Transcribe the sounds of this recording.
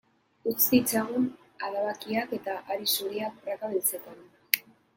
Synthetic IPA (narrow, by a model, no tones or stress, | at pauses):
ut͡s̪it͡saɣun | alaβakiake̞t̪aʔaɾisuɾiakrakaβilt͡se̞t̪an